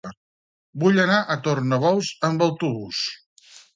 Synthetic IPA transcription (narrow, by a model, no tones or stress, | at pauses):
buʎənaʔət̪ornəβɔlˠzəmbəwt̪uβus